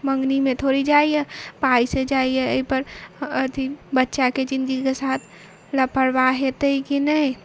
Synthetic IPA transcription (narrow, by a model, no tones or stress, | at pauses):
mə̃ŋɡnimẽt̪ʰoɾid͡ʒaːiɛpaːised͡ʒaːiɛəipəɾət̪ʰibətːʃaket͡ʃɪ̃nd͡ʒikesaːt̪ʰ | ləpʰəɽbaɦet̪əikinəɦĩ